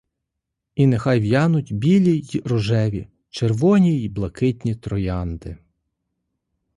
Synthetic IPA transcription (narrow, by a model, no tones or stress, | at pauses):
inexɑjʋjɑnʊtʲbʲilʲiiɾɔʒɛʋʲḭ | t͡ʃerʋɔnʲiiblˠɐkɪtʲnʲit̪ɾɔjɑnd̪ɪ